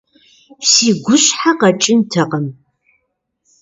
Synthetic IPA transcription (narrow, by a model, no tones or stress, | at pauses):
siːɡʷʊɕħaqɐʈ͡ʂʼɪntʰɐqəm